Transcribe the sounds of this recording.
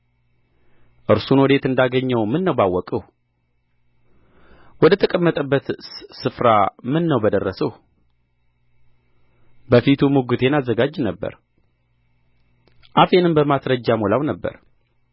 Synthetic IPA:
ʔɨɾsunwɔd̪e̞t̪ɨnd̪aɡəɲːəwmɨnːəwbawːɔkʼəh | wɔd̪ət̪ʰəkʼəmːət̪ʼəbːət̪sɨfɾamɨnːəwbəd̪ərːəsəh | bəfit̪ʰumuɡut̪ʰe̞nazːəɡad͡ʒːnəbːə̰ɾ | ʔafe̞nɨmbəmasɾəd͡ʒːamolawnəbːə̰ɾ

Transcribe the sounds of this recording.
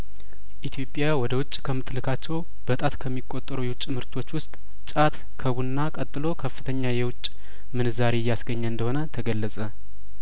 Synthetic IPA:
ʔit̪ʰijo̞pʼjawɔd̪əwʊt͡ʃʼːkʰəmːɨt̪lɨkʰat͡ʃːɛw | b̥ət̪ʼat̪kʰəmːikʼːo̞t̪ʼːəɾujɛwʊt͡ʃʼːmhɨɾt̪ʰo̞t͡ʃːwʊst̪ʼ | t͡ʃʼat̪ | kʰəβunːakʼət̪ʼːɨlo̞kʰəfːɨt̪ʰəɲːajɛwʊt͡ʃʼː | mɨnɨzaɾe̞jːasɡəɲːəɨnd̪əho̞nət̪ʰəɡəlːəsʼə

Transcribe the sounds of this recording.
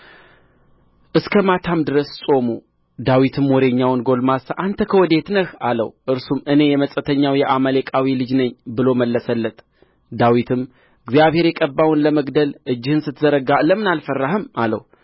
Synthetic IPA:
ʔɨskʰəmat̪ʰamd̪ɨɾəssʼo̞mu | d̪awit̪ʰɨmwɔɾe̞ɲːawnɡo̞lmasʔant̪ʰəkʰəwɔd̪e̞t̪nəhalə̰wʔɨɾsumɨne̞jɛməsʼət̪ʰəɲːawjɛʔaməlekʼawilɨd͡ʒnəɲːbɨlo̞məlːəsəlːət̪ʼ | d̪awit̪ʰɨm | ɨɡzjaβhe̞ɾjɛkʼəbːawʊnləməɡd̪əlʔɨd͡ʒːɪhɨnsɨt̪ːzəɾəɡaləmːɨnalfərːahɨmalə̰w

